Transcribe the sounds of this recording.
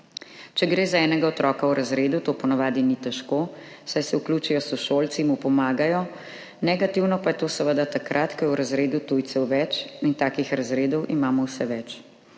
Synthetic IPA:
t͡ʃɛɡɾeːzaɛːnɛɡaɔt̪ɾɔːkawɾazɾeːd̪ut̪oːpɔnaʋaːd̪init̪ɛʃkoː | sajsɛukluːt͡ʃijɔsuʃolt̪simupɔmaːɡajɔ | nɛɡat̪iwnɔpajɛt̪oːsɛʋəd̪at̪akɾʔat̪kɔjɛɾazɾeːd̪ut̪ujt̪sɛwʋɛt͡ʃint̪aːkixɾazɾeːd̪ɔwʔimaːmɔwsɛʋɛt͡ʃ

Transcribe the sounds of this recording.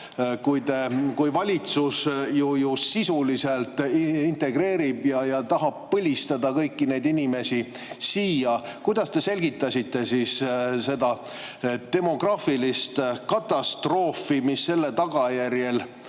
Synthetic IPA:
kujt̪e̞kujvɑlʲit̪susjujusːisulise̞lt̪int̪e̞ɡ̥re̞ːɾibjɑjɑt̪ɑɦɑb̚pɤlʲist̪ɑd̪ɑkɤjkːine̞jd̪inime̞si | siːjɑkujd̪̥ɑst̪e̞se̞lɡ̥it̪ːˑɑsit̪ːe̞sisse̞d̪ɑ | t̪e̞mo̞ɡ̥rɑːfilist̪kɑt̪ːˑɑst̪ro̞ːfimisːe̞lːet̪ɑɡ̥ɑjærje̞l

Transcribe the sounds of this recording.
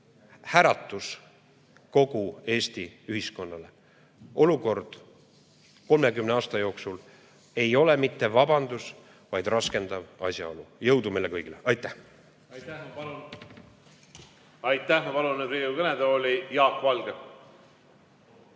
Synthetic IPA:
hæɾɑt̪ːˑus | ko̞ɡ̥ue̞ːst̪iyhisko̞nːɑle̞ | o̞luko̞rd̪̥ | ko̞lme̞kymneɑːst̪ɑjo̞ːksul | e̞jo̞le̞mit̪ːe̞vɑbɑnd̪̥us | vɑjd̪̥rɑske̞nd̪̥ɑvɑsjɑ̰o̞lujɤwd̪umelːekɤjɡ̥ileʔɑjt̪ːˑæh | ɑjt̪ːˑæhmɑpɑluned̪viukɤned̪oːlʲijɑːkvɑlɡ̥e

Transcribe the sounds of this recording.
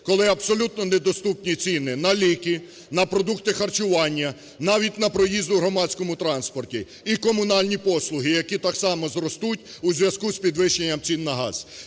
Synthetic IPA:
kɔlˠɪɐbsɔlʲut̪nɔnɛd̪ɔst̪upnʲit͡sʲinɪnɐlʲikɪ | nɐpɾɔd̪ukt̪ɪxɐrt͡ʃʊʋɑnʲːɐ | nɑʋʲit̚ʲnɐpɾɔjizd̪ʊɦɾɔmɑt͡sʲsʲkɔmʊt̪ɾɑnspɔrtʲi | ikɔmʊnɑlʲnʲipɔslˠʊɦɪjɐkʲit̪ɑksɑmɔzɾɔst̪utʲuzʲʋjɐzkuspʲid̪ʋɪʃːenʲːɐmt͡sʲinːɐɦɑ̰z

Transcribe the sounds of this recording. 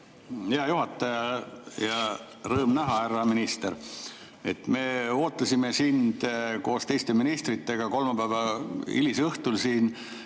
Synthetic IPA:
heɑjuɦɑt̪ːˑɑjɑjɑ | rɤːmnæɦɑærːɑminist̪eɾ | e̞t̪ːˑme̞o̞ːt̪ːˑɑsʲime̞sind̪̥ko̞ːst̪e̞jst̪e̞minist̪rit̪ːˑe̞ɡ̥ɑko̞lmɑpævɑḭlisɤht̪ulsiːn

